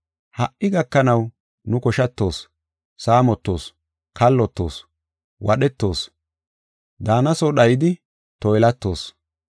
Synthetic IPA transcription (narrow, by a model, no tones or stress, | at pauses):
hɐʔʔɪɡɐkːɐnɐw | nʊkɔʃɐt̪ːo̞ːsː | aːmɔt̪ːo̞̰ːs | kɐlːɔt̪ːo̞̰ːs | wɐɗɛt̪ːo̞ːs | d̪aːnɐsɔɗɐjɪd̪ɪ | t̪ɔjlɐt̪ːo̞̰ːs